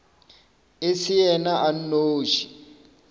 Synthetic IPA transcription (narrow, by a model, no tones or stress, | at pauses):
esijɛnaʔan̩noːʒi